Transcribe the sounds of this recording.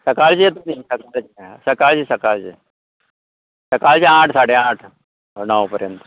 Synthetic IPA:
səkaɭt͡ɕijet̪unisəkaɭt͡ɕesəkaɭt͡ɕisəkaɭt͡ɕḛ | səkaɭt͡ɕeãʈʰsaɽeãʈʰ | nəʋpəɾjənt̪ə̥

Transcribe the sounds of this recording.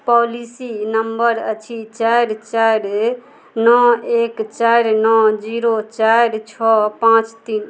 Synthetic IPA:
pɔlisinəmbəɾə̰t͡ʃʰit͡ʃaɾt͡ʃaɾ | nɔekt͡ʃaɾnɔd͡ʒiɾot͡ʃaɾt͡ʃʰɔpãt͡ʃt̪in

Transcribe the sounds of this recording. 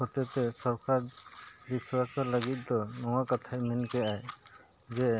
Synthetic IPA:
hɔt͡ʃɛt̪ɛsɔɾkʰad̪biswasɔɾləɡit̪̚ˀd̪ɔnɔwakat̪ʰamɛnkɛʔaj | d͡ʒɛ

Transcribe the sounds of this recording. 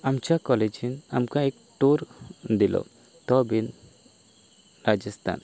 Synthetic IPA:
amt͡ʃakɔlɛd͡ʒinamkaɛk̚ | ʈ̪uɾd̪ilɔ̰ | t̪ɔbin | ɾad͡ʒəst̪ʰa̰n

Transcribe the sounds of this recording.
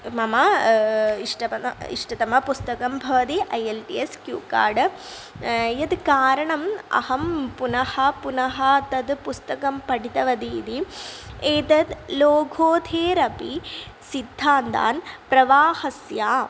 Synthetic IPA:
mɐmɐ | iʂʈɐɐḭʂʈɐt̪ɐmɐpust̪ɐkɐmbʱɐʋɐt̪iʔɐjelʈieskjṵːka̰ːɖ | jɐd̪kaːɾɐɳɐmɐ̰hɐmpunɐhɐpunɐɦɐt̪ɐd̪pust̪ɐkɐmpɐɽit̪ɐʋɐd̪ḭːd̪ieːt̪ɐd̪loːɡʱoːd̪ʱʰeːɾɐpi | sid̪ʱːaːnd̪a̰ːnpɾɐʋaːhɐsjaː

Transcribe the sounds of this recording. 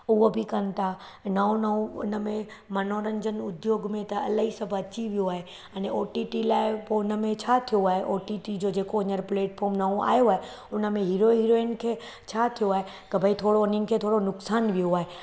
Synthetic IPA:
ʊɦobʱɪkɐnt̪ʰa | naõnɐũʊ̰nəmẽ | mɐnoːɾə̃ɲd͡ʑənʊd̪joːɡmẽt̪ɐɐ̰laɦisɐbʱɐt͡ɕiʋijoaːɦe | ɐ̃neoːʈiʈilaːɪpoʊnə̆mẽt͡ɕʰat̪ʰijoaːɦeʔoːʈiʈid͡ʑoːd͡ʑeːkoɐɲəɾpleːʈfʰoːɾmnaũa̰ːjoaːɦe | ʊnə̆mẽɦiːɾoɦiːɾoeːnkʰeː | t͡ɕʰat̪ʰijoaːɦe | k̪ɐbʱəit̪ʰoːɽoʊninkʰeːt̪ʰoːɽonʊksaːnʋijoaːɦe

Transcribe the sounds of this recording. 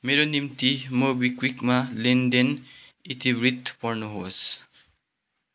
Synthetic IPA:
meɾonimt̪imobikwikmalend̪enit̪ibrit̪pʌrnuɦos

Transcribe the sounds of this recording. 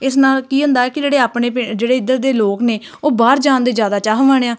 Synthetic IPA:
ɪsnaːlkiːɦʊ̃nd̪aːɛːkɪd͡ʒeːɽeːaːpɳeːpɪd͡ʒeːɽeːɪd̪əɾ̚d̪eːloːkneː | oːbaːɾd͡ʒaːnd̪eːd͡ʒjaːd̪aːt͡ʃaːɦʋaːɽeːaː

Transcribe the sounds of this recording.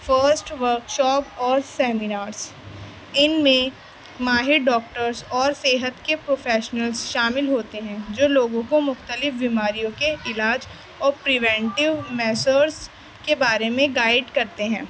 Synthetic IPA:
fəɾsʈʋəɾkʃɔːpɔːɾsɛːmɪnaːɾz̥ | ɪnmẽ | maːɦɪɾɖɔːk̚ʈəɾzɔːɾseːɦət̪kepɾoːfʰɛːʃnəlzʃaːmɪlɦoːt̪eɦɛ̃ːd͡ʒoːloːɡõkomʊxt̪əlɪfbimaːɾijõkeɪlaːd͡ʒ | ɔːɾpɾɪʋɛ̃ːɳʈɪʋmɛːsəɾz | kebaːɾemẽɡaːɪɖkɐɾt̪eɦɛ̃ː

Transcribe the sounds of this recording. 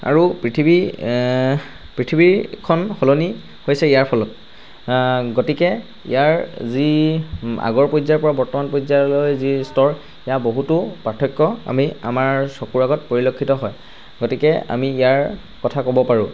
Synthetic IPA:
a̰ɹupɹitʰibi | pɹitʰibiɹkʰɔnxɔloni | hojsɛijaɹpʰɔlɔt̚ | ɡotikɛ | ḭjaɹzi | a̰ɡɔɹpojzaɹpɔɹabɔɹtɔmanpojzalojzistɔɹ | ijaboɦutupaɹtʰɔjkːɔa̰mia̰maɹsɔkuɹaɡɔt̚poɹilokʰːitɔɦɔj | ɡotikɛa̰miːjaɹ | kɔtʰakɔbɔpaɹũ

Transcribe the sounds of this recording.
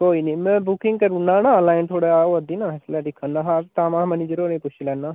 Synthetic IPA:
koːiːniːmɛ̃ːbʊkɪ̃ŋɡkəɾunːãːnãːlaːɪnt̪ʰoːɽaːoəd̪iːnaːɪslɛːɖɪkʰːənːaːɦaɾt̪aːmãːməniːd͡ʒəɾoːnẽːpʊt͡ʃʰlɛːnːaː

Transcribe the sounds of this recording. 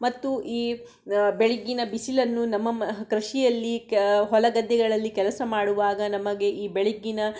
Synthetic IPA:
mɐt̪ːuʔiː | beɭiɡːinɐbisilɐnːunɐmːɐkɾɐʃijɐlːiɦɔlɐɡɐd̪ːɛɡɐɭɐlːikɛlɐsɐmaːɽuʋaːɡɐnɐmɐɡe̞ʔiːbeɭiɡːinɐ

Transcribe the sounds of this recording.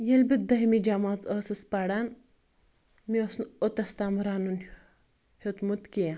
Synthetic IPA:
jelbit̪̚d̪ɐɦmid͡ʒamat͡səsəspaɽan | miɐsnot̪ɐst̪amɾaːnun | het̪mut̪kijã

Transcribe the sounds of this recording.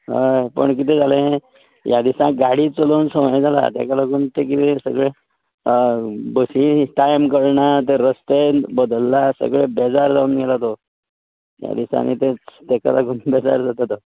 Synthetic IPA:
ɦəjpə̰ɳk̬it̪ẽd͡zalẽ | jad̪isãɡaɽiːt͡səloːnsəʋjd͡zʱala̰t̪jɛ̰kalaɡuːnt̪ekit̪ẽsəɡɭe | bəsiʈajmkəɾɳat̪eɾəst̪ebəd̪əlːasə̰ɡɭebɛd͡zaɾd͡zauːnɡʱɛlat̪o | ja̰d̪isa̰nḭt̪et͡st̪eka̰lakuːnbɛd͡za̰ɾd͡zat̪at̪o

